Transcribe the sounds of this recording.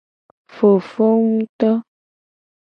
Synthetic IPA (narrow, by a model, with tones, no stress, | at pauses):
fo˨fo˦ŋũ˦t̪ɔ˦